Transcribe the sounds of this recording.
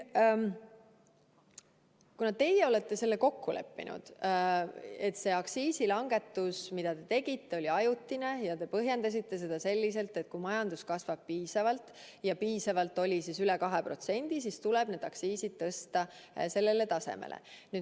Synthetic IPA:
kunɑt̪e̞jeo̞le̞t̪ːe̞se̞lːeko̞kːule̞̰pːḭnṵd̪̥ | e̞t̪se̞ɑksiːsilɑŋɡ̥e̞t̪ːusmid̪̥ɑt̪e̞t̪e̞ɡ̥it̪ːe̞o̞lʲiɑjut̪ːine̞jɑt̪e̞pɤɦje̞nd̪ɑs̬it̪ːe̞s̬e̞d̪̥ɑse̞lʲːis̬e̞lt̪ːet̪̚kumɑjɑnd̪̥uskɑsvɑb̥̚piːsɑvɑlt̪ | jɑpiːsɑvɑlt̪ːˑo̞lʲisisylɛkɑɦepro̞t̪se̞nʲd̪̥is̬ist̪ulɛb̥ne̞d̪ɑksiːsid̪̥̚t̪ɤst̪ɑse̞lːele̞t̪ɑse̞̰mḛlḛnyːd̪̥

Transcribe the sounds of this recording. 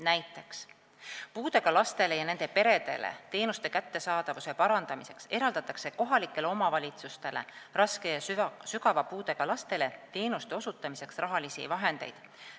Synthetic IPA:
næjt̪ːˑe̞ks | puːd̪e̞ɡ̥ɑlɑst̪e̞le̞jɑne̞nd̪̥e̞pe̞ɾe̞d̪̥e̞̰lḛt̪e̞ːnust̪e̞kæt̪ːe̞sɑːd̪̥ɑvuse̞pɑɾɑnd̪̥ɑmise̞kse̞ɾɑld̪̥ɑt̪ːˑɑkse̞ko̞ɦɑlikːˑe̞le̞o̞mɑvɑlʲit̪sust̪e̞lerɑske̞jɑsykɑvɑpuːd̪e̞ɡ̥ɑlɑst̪e̞le̞t̪e̞ːnust̪e̞o̞sut̪ːˑɑmise̞ksrɑɦɑlisḭvɑɦe̞nd̪̥e̞̰jd̪̥

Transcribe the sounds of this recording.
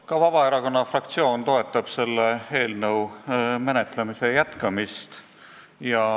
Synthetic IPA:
kɑvɑbɑe̞ɾɑko̞nːɑfrɑk̚t̪sio̞ːnt̪o̞e̞t̪ːˑɑb̥se̞lːee̞ːlnɤwmene̞t̪ˑle̞mise̞jæt̪kɑmist̪ | jɑ

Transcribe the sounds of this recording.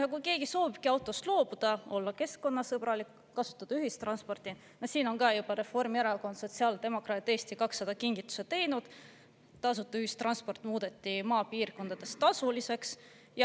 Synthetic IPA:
ɑkujke̞ːɡ̥iso̞ːvib̥̚kiɑwt̪ːˑo̞st̪lo̞ːb̥ud̪̥ɑo̞lːɑke̞skːo̞nːɑsɤb̥rɑlikːɑsu̥t̪ːˑɑd̪ɑyɦist̪rɑnspo̞rt̪i | nosiːno̞nkɑjub̥ɑɾe̞fo̞rmjæɾelko̞nd̪so̞t̪ʲsiɑːld̪̥e̞mo̞krɑːt̪ːest̪ikɑksːɑd̪̥ɑkiŋɡ̥it̪ːˑu̥set̪e̞jnud̪̥ | t̪ɑs̬ut̪ːˑɑyhist̪rɑnspo̞rt̪ːˑmuːd̪̥e̞t̪ːˑimɑːpiːrko̞nd̪̥ɑd̪̥e̞st̪ɑsulise̞ks | jɑ

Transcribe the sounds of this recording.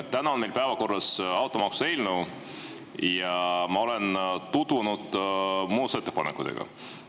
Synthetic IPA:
t̪ænɑo̞nmelpæevɑko̞rːɑsɑwt̪ːˑomɑksu̥e̞jlnuw | jɑmɑo̞lent̪ud̪̥unud̪̥muːset̪ːepɑnekːˑut̪ḛɡ̥ɑ̰

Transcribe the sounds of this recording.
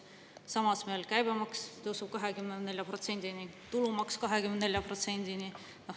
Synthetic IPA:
sɑmɑsmeelkæjbemɑkst̪ɤsub̥̚kɑɦe̞kymnenne̞lʲjɑpro̞t̪se̞nʲd̪̥init̪ulumɑkskɑɦekymed̪ne̞lʲjɑpro̞t̪se̞nd̪̥ini | no

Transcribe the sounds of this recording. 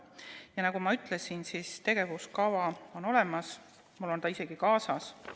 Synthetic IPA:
jɑnɑɡ̥umɑyt̪ˑle̞sinsiːst̪e̞ɡ̥e̞vuskɑvɑo̞no̞le̞mɑs | mulːo̞nt̪ɑise̞ɡ̥ikɑːsɑs

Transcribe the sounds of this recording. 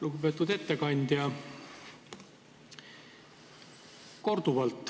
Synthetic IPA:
luɡupe̞ːt̪ːˑud̪̥e̞t̪ːekɑnʲd̪̥ʲjɑ | ko̞rd̪̥uvɑlt̪ːˑ

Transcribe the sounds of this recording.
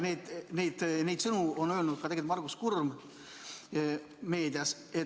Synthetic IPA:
ned̪nejd̪̥ne̞jd̪sɤnuonø̞ːlnud̪̚kɑt̪eɡet̪mɑrɡ̥uskurm | me̞ːd̪̥iɑs | e

